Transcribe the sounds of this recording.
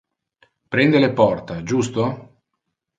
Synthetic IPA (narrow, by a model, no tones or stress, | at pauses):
pɾɛnd̪elepɔrt̪ad͡ʒust̪o